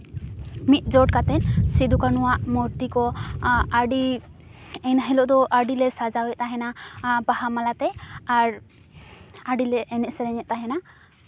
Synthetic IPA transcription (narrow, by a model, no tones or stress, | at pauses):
mit̪̚ˀd͡ʒɔʈ̚kat̪ɛnsid̪ukanuwaʔmɔɾt̪ikɔaɖi | ɛjnaɦɛlɔʔd̪ɔʔaɖilɛsazawɛt̪̚t̪aɦɛnabaɦamalat̪ɛaɹ | aɖilɛʔɛnɛʔsɛlɛɲɛt̪̚t̪aɦɛna